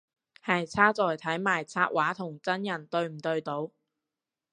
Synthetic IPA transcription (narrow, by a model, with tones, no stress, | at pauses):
hɐ˨jt͡sʰaː˥t͡sɔː˨jt̪ʰɐ˨˥jmaː˨˩jt͡sʰaː˧ʔ̚waː˨˥t̪ʰʊ˨˩ŋt͡sɐ˥njɐ˨˩nt̪ɵ˧ɥm̩˨˩t̪ɵ˧ɥt̪o˨˧w